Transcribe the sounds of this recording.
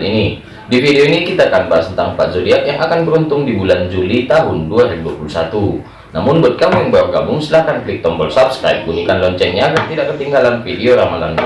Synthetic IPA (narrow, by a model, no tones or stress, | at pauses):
ini | difideoinikit̪akanbaasənt̪aŋpa̰t̪̚zodiakjaŋʔakanbəɾunt̪ʊŋdibuland͡ʒulit̪aɦʊnduaɾɛduapulusat̪u | na̰mʊnbət̪̚kamujɛŋbawaɡa̰bʊŋsəlahkanplik̚t̪ɔmbɔlsapska̰ip̚ɡunikanlɔɲt͡ʃɛnɲaɡart̪idaʔkːət̪iŋɡalanfideoɾamala̰n